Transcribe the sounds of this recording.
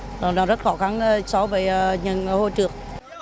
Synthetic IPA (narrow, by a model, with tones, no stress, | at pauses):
lɔː˨˩nɔ˨˦zt̚xɔ˧˩xa˨˧˩n˧sɔ˨˧˦wvəː˨˩˦jɲə˨˩nho˧jt͡ɕɨ˨˩ək̚